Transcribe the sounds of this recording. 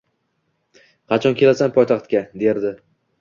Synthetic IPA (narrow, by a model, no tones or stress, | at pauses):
qʰɑt͡ʃʰɒnkʲe̞lasanpʰɒjt̪ʰɑχt̪̚kʲad̪e̞ɾd̪ɪ